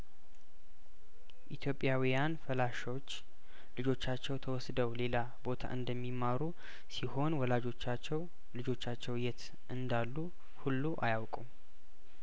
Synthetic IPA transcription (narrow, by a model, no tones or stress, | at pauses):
ʔit̪ʰjo̞pʼːjawijanfəlaʃot͡ʃː | lɨd͡ʒo̞t͡ʃːat͡ʃːɛwt̪ʰəwɔsd̪əwle̞la | bo̞t̪ʰa̰ʔɨnd̪əmːimːaɾu | siho̞nwɔlad͡ʒo̞t͡ʃːat͡ʃːɛw | lɨd͡ʒo̞t͡ʃːat͡ʃːɛwjɛt̪ | ʔɨnd̪alːu | hulːuʔajawkʼum